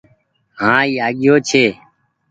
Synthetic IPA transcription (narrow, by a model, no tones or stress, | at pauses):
ɦãːiːaːɠɪjoːt͡ʃʰeː